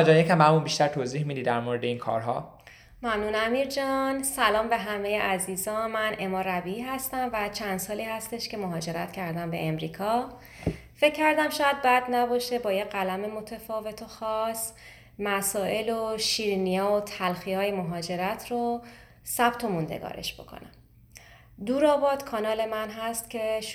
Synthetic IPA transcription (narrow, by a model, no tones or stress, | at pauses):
d͡ʒɒːnjecʰæmhæmunbiʃt̪æɾt̪ʰoziːhmid̪iːd̪æɾmoɾed̪einkʰɒ̰ːɾɦɒ̰ː | mæmnunæmiːɾd͡ʒɒnsælɒːmbe̞ɦæmejeʔæziːzɒːnmænʔe̞mɒːɾæbiiːɦæst̪æmvæt͡ʃʰænd̪̥sɒːliːhæst̪e̞ʃce̞moɦɒːd͡ʒe̞ɾæt̪cʰæɾd̪æmbe̞̰emɾiːkʰɒ | fe̞cʰːæɾd̪æmʃɒːjæd̪̚bæd̪næbɒːʃe̞bɒːjeɢælæmemo̞t̪ʰefɒːve̞t̪ʰoxɒːs | mæsɒːʔe̞loʃiːɾnijɛːot̪ʰælxiɒːjemoɦɒːd͡ʒe̞ɾæt̪ʰro | sæb̥t̪ʰo̞mund̪ḛɡɒ̰ːɾḛʃb̥o̞̰kʰo̰næ̰m | d̪uːɾɒːbɒːd̪̥kʰɒːnɒːle̞mænɦæst̪cʰe̞